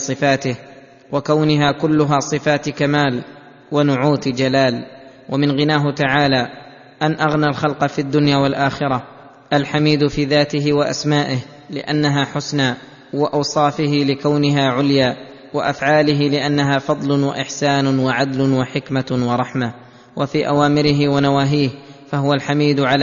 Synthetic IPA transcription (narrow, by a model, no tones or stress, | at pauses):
sˤɨfaːt̪ɪh | wakawnɪɦaːkʊlːʊɦaːsˤɨfaːt̪kamaːl | wanʊʕuːt̪d͡ʒalaːl | wamɪnɣɪnaːɦʊt̪aʕaːlaː | ʔanʔaɣnaːlxɑlqɑfiad̪ːʊnjaːwalʔaːxɪɾa | ʔalħamiːd̪fiːðaːt̪ɪɦɪwaʔa̰smaːʔɪh | lɪ̰ʔanːaɦaːħʊsnaː | wɪʔɑwsˤɑːfɪhɪlɪkawnɪɦaːʕʊljaː | wa̰ʔafʕaːlɪɦɪlɪʔanːaɦaːfɑd̪ˤlʊwa̰ʔɪħsaːnʊwaʕad̪lʊwaħɪkmawɑɾˤɑħma | wʔafiːʔawaːmɪɾɪɦɪwanawaːɦiːhfaɦʊwalħamiːd̪ʊʕal